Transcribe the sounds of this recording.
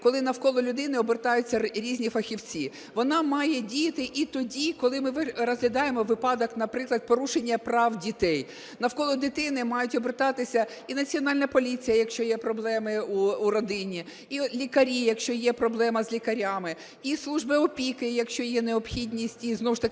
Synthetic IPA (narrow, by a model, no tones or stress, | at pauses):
kɔlˠɪnɐwkɔlˠɔlʲʊd̪ɪnɪɔbert̪ɑjʊt͡sʲːɐɾʲizʲnʲifɐxʲiwt͡sʲi | ʋɔnɑmɑjɛdʲijɐt̪ɪʔit̪ɔdʲikɔlˠɪmɪʋrɔzɦlʲɐd̪ɑjemɔʋɪpɑd̪ɔknɐpɾɪklˠɐd̪̚pɔɾuʃenʲːɐpɾɑwdʲit̪ɛj | nɐwkɔlˠɔd̪ɪt̪ɪnɪmɑjʊtʲɔbɪrt̪ɑt̪ɪsʲɐ | inɐt͡sʲiɔnɑlʲnɐpɔlʲit͡sʲijɐjɐkʃt͡ʃɔjɛpɾɔblˠɛmɪuuɾɔd̪ɪnʲi | ilʲikɐɾʲijɐkʃt͡ʃɔjɛpɾɔblˠɛmɐzʲlʲikɐɾʲamɪ | islˠuʒbɪɔpʲikɪjɐkʃt͡ʃɔjɛneɔpxʲidʲnʲisʲtʲiznɔwʊʃt̪ɐk